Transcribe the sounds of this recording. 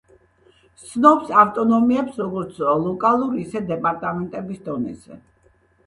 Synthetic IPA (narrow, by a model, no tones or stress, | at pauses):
t̪t̪sʰnɔpsaft̪ʼɔnɔmiɛpsɾɔɡɔɾt̪sʰlˠɔkʼalˠuɾiːsɛd̪ɛpʼaɾt̪ʼamɛnt̪ʼɛbisd̪ɔnɛ̰zɛ̰